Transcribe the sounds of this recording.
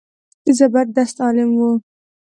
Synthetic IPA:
izabad̪̚d̪ast̪ɑlɪmwu

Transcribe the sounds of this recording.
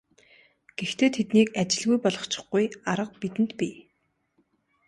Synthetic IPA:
ɡ̥ext̪ʰeːt̪ʰet̪niːkat͡ɕɪ̆ɮɣujpɔɮɞ̆χt͡ɕɪ̥̆χɡujaɾə̆q̚pit̪ɘ̆nt̪pʲiː

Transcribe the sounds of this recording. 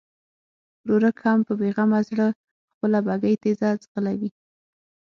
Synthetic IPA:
ɾoɾəkhampəbeɣamazɽə | xpəlabaɡajt̪ezazɣəlawi

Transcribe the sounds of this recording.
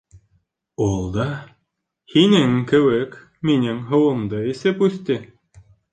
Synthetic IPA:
ulˠd̪ɑ | hinɘŋkɘ̆wɘk | minɘŋɦɤ̆wɤ̆md̪ɤisɘpʉst̪ɘ

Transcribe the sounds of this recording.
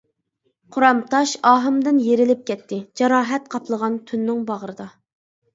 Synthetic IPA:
qʰʊɾɑmt̪ʰɑʃɑːɦɨmd̪ɪnjeɾɪlɪp̚kʲʰɛt̪ʰːɪd͡ʒɑɾɑːɦɛt̪̚qʰɑpʰlˠəʁɑnt̪ʰynːɪŋbɑʁəɾɨd̪ɑ

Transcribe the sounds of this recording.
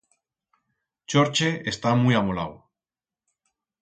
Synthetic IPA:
t͡ʃoɾt͡ʃeest̪amujamola̰w

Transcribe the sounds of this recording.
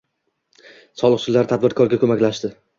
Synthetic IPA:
sɒlˠɨqχt͡ʃɪlːaɾt̪ʰad̪̚bɪɾkʰɒɾɡʲakʰɵmakʲlaʃd̪ɪ

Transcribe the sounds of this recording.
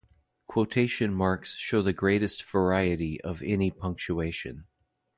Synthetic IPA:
kʰw̥oʊtʰeɪʃɨ̃nmɑɹksʃoʊðɨɡɹeɪɾɨstv̥ə˞aɪɨɾiʔʌvɛnipʰʌ̃ŋk̚t͡ʃueɪʃɨ̰̃n

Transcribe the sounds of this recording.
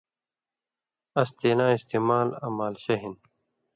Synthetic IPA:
ɐst̪eːnãːist̪eːmaːlɐ̰maːlɕɐɦin

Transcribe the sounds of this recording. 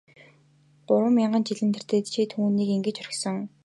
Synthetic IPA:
pʊɾwə̆mʲaɴɢə̆nt͡ɕiɮɘ̆nt̪ʰĕr̥t̪eːt̪t͡ɕʰiːt̪ʰuːniːkiŋɡɘ̆t͡ɕœrʲɪ̆xsɞ̆ŋ

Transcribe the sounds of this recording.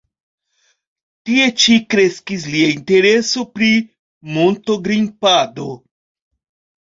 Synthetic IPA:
tie̞t͡ʃikɾe̞skis̬liainte̞ɾe̞so̞pɾi | monto̞ɡɾimpado̞

